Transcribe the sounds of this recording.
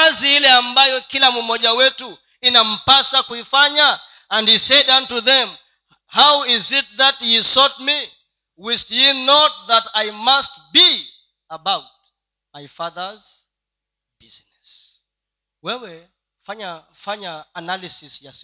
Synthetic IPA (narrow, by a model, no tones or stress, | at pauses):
aziilɛambajɔkilamumɔʄawɛtu | inam̩pasakuifaɲa | ãndhisɛdãntuðɛ̃m | hawizɪt̚ðathisɔt̚mi | wistjinɔt̚ðatajmast̚bi | əbawt̚ | majfaðə˞z | b̥iznɛs | wɛwɛ | faɲafaɲaːnalisisjas